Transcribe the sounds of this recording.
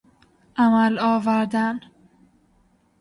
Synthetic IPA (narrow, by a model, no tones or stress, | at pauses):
æmælɒːvæɾd̪æn